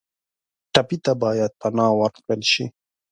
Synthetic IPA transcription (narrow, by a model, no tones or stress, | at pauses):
ʈapit̪abɑːjad̪̚panɑːwaɾkəlʃḭ